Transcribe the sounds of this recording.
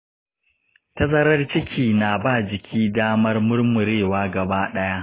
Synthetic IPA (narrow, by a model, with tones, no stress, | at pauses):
tɐ˦zɐ˦ɾɐ˦rt͡ʃɪ˦kʲʰiː˨naː˨baː˦˨d͡ʒɪ˨kʲʰiː˦daː˦mɐ˦rmʊ˦rmʊ˨ɾeː˦˨waː˦ɡɐ˨baː˦ɗɐ˦ja˦ʔ